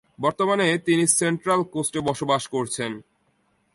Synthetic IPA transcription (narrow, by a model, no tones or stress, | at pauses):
bɔɾt̪omanet̪iniseɳʈɾalkosʈebɔʃobaʃkoɾt͡ɕʰen